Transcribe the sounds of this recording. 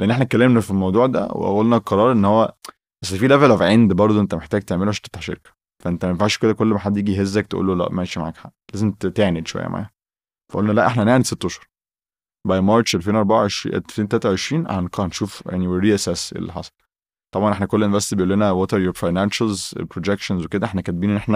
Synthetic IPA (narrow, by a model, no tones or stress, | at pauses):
eʔenːʔeħnækːælːemnæfilmɑwd̪ˤuːʕd̪æ̰wḛʔæ̰ʔolːnæqɑɾˤɑːɾˤʔenːhowːæ | bæsːæfiːlævælʔæfʕend̪bɑɾˤd̪ˤoʔent̪æmeħt̪æːɡ̚t̪eʕmeloæʃt̪e̥ft̪ːaħʃḛɾkæ̥ | fæʔent̪æmæmefʕæːʃked̪ækolːmaħad̪ːjiːɡiɦezːæk̚t̪eʔṵːlːolæ̰ʔmæeʃimaʕa̰kħalæːzemt̪t̪eʕned̪ʃowæ̰jːæ̰ma̰ʕa̰jæ | fæʔo̰lnælæʔeħnæʔæneʕniset̪ːoʃɑɾˤ | bɑjmɑɾˤt͡ʃʔelfeːnʔɑɾˤbaʕaʕeʃɾḭʔfeːnt̪ælæt̪æʕeʃɾiːnʕa̰nkɑnʃuːfja̰ʕniweɾiːʔæsæːsʔḛlːḭħɑ̰sˤɑ̥l | t̪ˤɑbʕɑnʔeħnækolːʔenvæsibejʔuolːenæwæt̪eɾjoɾfɑjnænʃælzḛpɾod͡ʒekʃænzweked̪æʔeħnækæt̪̚binenːʔeħnæ